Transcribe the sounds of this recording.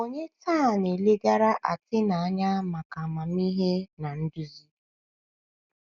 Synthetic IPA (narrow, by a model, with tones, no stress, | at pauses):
o˦ɲe˦taː˦˨ne˨le˦ɡa˦ɾa˦ʔa̰˨tɪ˦na˨a˦ɲa˦ma˨ka˨ma˨m̩˦i˦ɦe˦na˨n̩˦du˦zi˦